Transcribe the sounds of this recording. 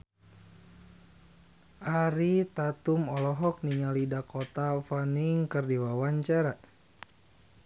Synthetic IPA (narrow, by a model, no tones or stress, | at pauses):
ʔaɾit̪at̪umɔlɔɦɔk̚niɲalidakɔt̪afaniŋkɨrdiwawaɲt͡ʃaɾa